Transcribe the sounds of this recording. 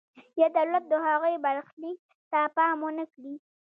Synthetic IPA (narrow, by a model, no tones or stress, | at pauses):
jad̪awlat̪̚d̪əhaɣəjbaɾxlik̚ | t̪apɑmwənəkɽi